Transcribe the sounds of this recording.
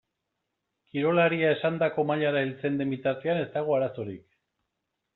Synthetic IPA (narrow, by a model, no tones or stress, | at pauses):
kiɾo̞laɾiae̞sand̪ako̞maʎaɾailt͡se̞nd̪e̞mbit̪aɾt̪e̞ane̞st̪aɣ̞oaɾaso̞ɾḭk